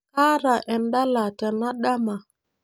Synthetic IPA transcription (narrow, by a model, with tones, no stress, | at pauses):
kaː˦ɾa˨ʔɛ˨nda˦la˨tɛ˨na˦ɗa˦ma˨